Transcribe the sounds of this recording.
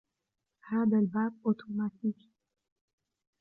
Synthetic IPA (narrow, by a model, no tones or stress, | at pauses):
haːd̪albaːb̚ʔot̪ʰomaːt̪iːk